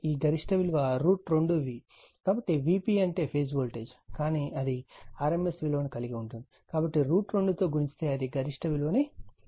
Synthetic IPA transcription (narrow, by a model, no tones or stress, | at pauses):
iːɡɐɾiʂʈɐʋiluʋaːɾuːʈɾoɳɖuʋiː | kaːbɐʈːiʋiːpiːɐɳʈe̞ːpʰeːs̬bolʈeːd͡ʒkaːniːʔɐd̪iaːɾemesʋiːloːnikɐliɡiuɳʈund̪ikaːbɐʈːiɾuːʈɾoɳɖut̪o̞ːɡuɾiɲt͡ʃt̪e̞ːɐd̪iɡɐɾiʂʈɐʋilo̞ːneː